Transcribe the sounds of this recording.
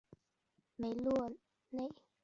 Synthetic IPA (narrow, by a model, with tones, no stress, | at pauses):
me˨˦ɪlwɔ˥˨ | ne˥˨ɪ